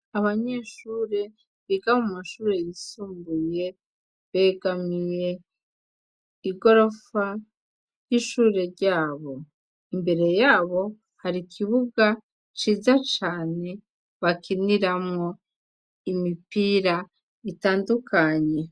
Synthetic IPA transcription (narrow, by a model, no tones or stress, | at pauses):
aβaɲe̞ːʃuːɾe̞ | βiɡamumaʃuːɾe̞jisuːmbuje̞ | βe̞ɡamije̞ | iɡo̞ɾo̞fa | jiʃuːɾe̞ɾɟaːβo̞ | imbe̞ɾe̞jaːβo̞ | haɾikʰiβuɡa | t͡ʃiːzat͡ʃaːne̞ | βakiniɾamŋo | imipiɾa | itaːndukʰaɲe̞